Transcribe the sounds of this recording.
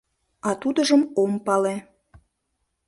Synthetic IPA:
ɑt̪ud̪əʒəmompɑle

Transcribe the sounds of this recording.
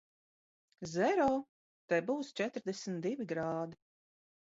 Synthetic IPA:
zɛɾɔː | t̪ɛjbuːst͡ʃɛt̪ɾd̪ɛsʲmnt̪d̪ivʲiɡɾaːd̪i

